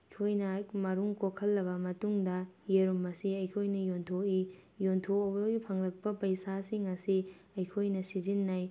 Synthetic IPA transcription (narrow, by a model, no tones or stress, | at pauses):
jkʰojnɐmɐɾuŋkokʰːɐlːɐbɐmɐtuŋdɐjeɾumɐsiɐjkʰojnɐjontʰoijontʰoobɐɡipʰɐŋɾɐk̚pɐpɐjsasiŋɐsi | ɐjkʰojnɐsizinːaj